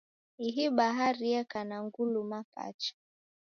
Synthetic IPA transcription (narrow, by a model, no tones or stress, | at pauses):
iɦiɓaɦaɾiɛkanaŋɡulumapa̰t͡ʃḁ